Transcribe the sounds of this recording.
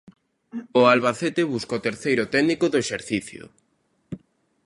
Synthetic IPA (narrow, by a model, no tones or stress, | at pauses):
ʊalβaθet̪eβuskot̪eɾθejɾʊot̪ɛɣnikoðoeʃeɾθiθjʊ̰